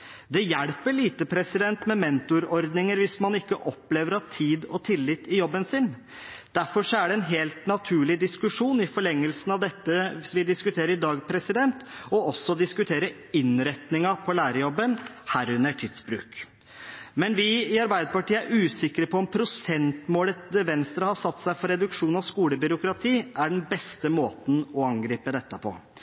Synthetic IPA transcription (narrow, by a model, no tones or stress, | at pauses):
d̪ɛjæɽpəɭiːt̪əpʰɾɛsɪd̪ɛnt̪mɛmɛnt̪ʊɾɔɾd̪nɪŋəɾʋɪsmɑnɪkːəʔɔpːleːʋəɾɑt̪ʰiːd̪ɔt̪ʰɪlːɪt̪ːɪjɔbːənsɪn | d̪̥æɾfɔʂɔæɖɛɛnɦeːlt̪nɑt̪ʰʉːɭɪd̪ɪskʉʂuːnɪfɔɭɛŋːəlsnɑʋd̪ɛt̪ːəʋɪsʋɪd̪ɪskʉt̪ʰeːɾəɾɪd̪ɑːɡpʰɾɛsɪd̪ɛnt̪ɔɔsːɔd̪ɪskʉt̪ʰeːɾə | ɪnɾɛt̪nɪŋɑpʰɔlæːɾəjɔbːənhæːɾʉnːəʈʰiːd̪sbɾʉ̰ːk | mɛnʋɪɪɑɾbæɪd̪əpɑʈiːəæɾʉːsɪkːəɾəpʰɔɔmpʰɾʊsɛnt̪moːlət̪əʋɛnst̪ɾəhɑsɑt̪ːsæɪfɔɾɛd̪ʉkʂuːnɔskuːləbʏɾʊkɾɑt̪ʰiːʔæɖnbɛst̪əmoːt̪n̩ɔɑŋɡɾiːpəd̪ɛt̪ːəpʰɔ̰